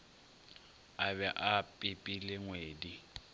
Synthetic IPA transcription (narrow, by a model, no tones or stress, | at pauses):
aβɛʔapʼɪpʼilɪŋweːdi